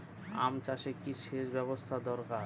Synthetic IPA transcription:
a̰mt͡ɕaʃekiʃeʃbɛβost̪ʰad̪ɔɾkaɾ

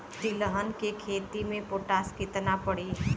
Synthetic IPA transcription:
d̪iləɦənkekʰeːt̪imẽpoːʈaskɪt̪napəɽi

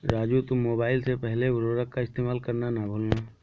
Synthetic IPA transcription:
ɾaːd͡ʒut̪ʊmoːbaːɪlsepɛɦlebʊɾoːɾəkkaɪst̪eːmaːlkɐɾnanabʱoːlnaː

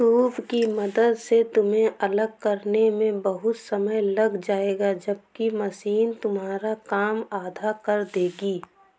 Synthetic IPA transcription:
suːbkimɐd̪əd̪set̪ʊmɦẽʔɐləɡkɐɾnemẽbəɦʊt̪sɐməjlɐɡd͡ʒaːeːɡad͡ʒəb̚kimɐsiːnt̪ʊmɦaːɾakaːmaːd̪ʱakɐɾd̪eːɡiː

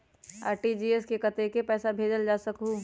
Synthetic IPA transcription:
a̰ːɾʈid͡ʒiːeskekɐt̪ekepɛːsabʱeːd͡ʒəld͡ʒaːsɐkɦũ

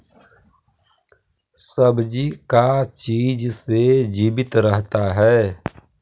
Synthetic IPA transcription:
səbd͡ʒikat͡ʃiːd͡ʒsed͡ʒiːbɪt̪ɾəɦt̪aɦɛː

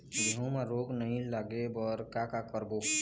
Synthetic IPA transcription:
d̪ʱũmẽɾoːɡnəɦĩlaːɡebɔːɾkakakəɾbo

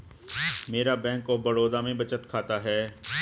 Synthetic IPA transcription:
meːɾabɛ̃ːŋkobəɾoːd̪amẽbət͡ʃət̪kʰaːt̪aɦɛː

